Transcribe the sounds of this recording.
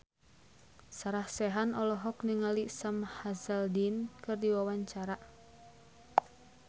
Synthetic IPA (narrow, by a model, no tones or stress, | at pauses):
saɾahsɛɦanɔlɔɦɔkniŋalisamhazəldinkɨrdiwawaɲt͡ʃaɾa